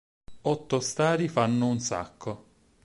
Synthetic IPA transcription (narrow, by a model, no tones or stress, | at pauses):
ɔt̪ːost̪aːɾifanːʊunsa̰kːo